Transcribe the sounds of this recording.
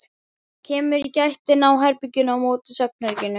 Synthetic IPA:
cʰɛːmʏɾicajht̪ɪnawɦaɾpʏcːʏnawmoːt̪ɪsœp̚nɛɾcɪnːʏ

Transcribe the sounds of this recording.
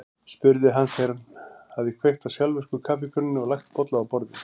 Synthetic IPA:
spʏɾðɪɦanθɛɾanhaððɪkʰvejht̪asjalvʏskʏkʰaːpɪkʰʏnɪnːɪɔɣlajxt̪pɔt̪laawpɔɾðɪ̥

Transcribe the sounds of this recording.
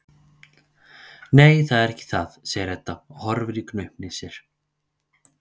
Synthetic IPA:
nejθaðɛɾɛhcːɪ̥θaðseːjɪɾɛt̪ːaɔhɔɾvɪɾiknœɥhmnɪsjɛɾ̥

